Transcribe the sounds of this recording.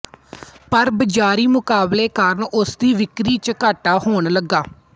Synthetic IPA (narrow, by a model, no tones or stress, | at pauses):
pəɾbəd͡ʒaːɾiːmʊkaːbleːkaɾəɳʊsd̪iːʋɪkɾiːt͡ʃəkaːʈaːhoːɳləɡːaː